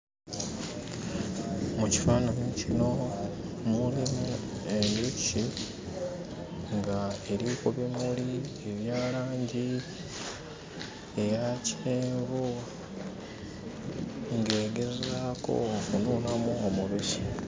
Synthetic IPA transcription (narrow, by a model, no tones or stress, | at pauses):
muci̥faːnanicino̞ | mulimue̞nuci | ŋɡae̞ɾikuβimulie̞βjaːlaːɲɟi | e̞jacieːɱvu | ŋɡe̞ːɡe̞zako̞̰kunuːlamuomuβici̥